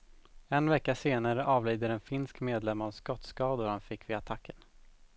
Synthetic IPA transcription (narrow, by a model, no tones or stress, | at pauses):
ɛnvɛkːaʂeːnaɾəʔɑːvliːd̪əɾɛnfɪnskmeːd̪lɛmːavskɔt̪skɑːd̪ʊɾhanfɪkːvɪat̪ʰakʰːən